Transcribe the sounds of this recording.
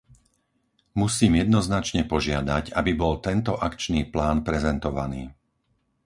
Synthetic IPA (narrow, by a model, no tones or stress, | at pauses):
musiːmjɛd̪nɔznat͡ʃɲɛpɔʒɪad̪aɟabibɔlt̪ɛnt̪ɔʔakt͡ʃniːplaːnpɾɛzɛnt̪ɔʋaniː